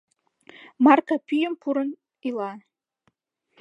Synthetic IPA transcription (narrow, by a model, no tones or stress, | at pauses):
mɑrkɑpyjəmpuɾən | ilɑ